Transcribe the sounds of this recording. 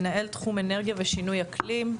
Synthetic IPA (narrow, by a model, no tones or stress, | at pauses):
nae̞lt̪χume̞neʁɡjaveʃinujakʰlim